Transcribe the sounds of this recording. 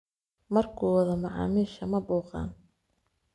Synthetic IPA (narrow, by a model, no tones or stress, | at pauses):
mɐrkʰuːwðɐmɐʕɑ̰ːmiːʃɐmɐbuːqɑ̰ːn